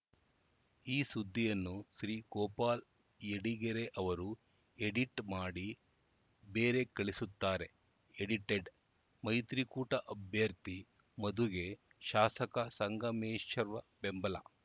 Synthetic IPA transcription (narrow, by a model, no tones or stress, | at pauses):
iːsud̪ʱːijɐnːuʃɾiːkɔːpaːl | eɽiɡeɾeʔɐʋɐɾu | eɽiʈmaːɽi | beːɾe̞kɐɭisut̪ːaːɾe̞ | eɽiʈeɖ | mɐjt̪ɾikuːʈɐʔɐbʱjɐɾt̪i | mɐd̪uɡe̞ | ʃaːsɐkɐsɐŋɡɐmeːʃɐɾʋɐbembɐlɐ